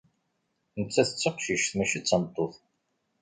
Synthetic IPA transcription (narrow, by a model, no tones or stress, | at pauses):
nət͡sːæθət͡sːəqʃiʃθmæʃit͡sːɑnt̪ˤːoθ